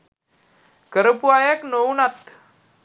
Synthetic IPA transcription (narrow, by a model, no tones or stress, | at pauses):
kəɾəpuajəknownat̪